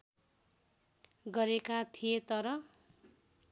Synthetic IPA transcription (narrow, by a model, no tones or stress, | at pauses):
ɡʌɾekat̪ʰijet̪ʌɾʌ